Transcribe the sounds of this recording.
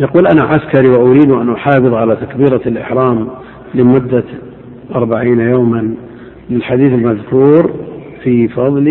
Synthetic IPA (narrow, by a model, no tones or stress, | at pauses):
jaquːlʔanaʕaskaɾiwɪʔʊɾiːd̪uʔanʔʊħɑːfɨðˤʕalat̪akbiːɾalʔɪ̰ħɾˤɑːm | lɪmʊd̪ːa | ʔɑɾˤbaʕiːnajoːman | lɪlħad̪iːθɪlmaðkuːɾ | fifɑðˤli